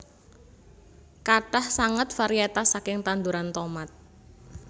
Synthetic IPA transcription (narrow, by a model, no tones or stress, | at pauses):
kaʈahsaŋət̪̚faɾiat̪asakɪŋt̪and̪uɾant̪omat̪̚